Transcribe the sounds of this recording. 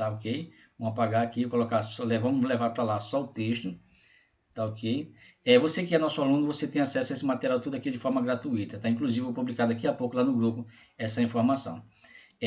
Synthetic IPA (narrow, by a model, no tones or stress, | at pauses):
t̪aokej | ũɐpaɡaakikolokaɾsɔlevɐ̃mʊlevaɾpɾɐlasɔʊt̪eʃt̪ʊ | t̪aokejɛvosekɪɛnɔsʊalũnʊvoset̪ẽj̃asɛsʊɐesɪmat̪eɾiawt̪ud̪ʊakid͡ʒɪfɔɾmɐɡɾat̪uit̪ɐt̪aĩkluzivɪpublikaɾd̪akiapowkʊlanʊɡɾupʊ | ɛsɐĩfoɾmasɐ̰̃w̃